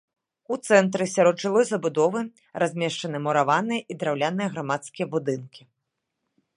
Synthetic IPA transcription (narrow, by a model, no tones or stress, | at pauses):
ut̪sɛnt̪ɾɨsʲaɾɔd̪ʐɨlˠɔjzɐbud̪ɔvɨ | razʲmʲɛʂt͡ʂɐnɨmɐɾavanɨjɐʔid̪ɾawlʲanɨjɐɣɾamat̪skʲijɐbud̪ɨnkʲi